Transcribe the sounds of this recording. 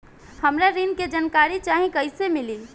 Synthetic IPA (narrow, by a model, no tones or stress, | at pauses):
həmɾaɾinked͡ʒənkaɾit͡ʃaːɦĩkəɪsemɪli